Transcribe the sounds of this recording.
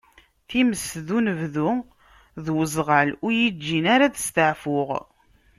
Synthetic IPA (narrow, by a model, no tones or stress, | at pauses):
θiməsðunəvðu | ðwəzˤʁalʊɾjid͡ʒːinaɾaðəst̪əʕfʊʁ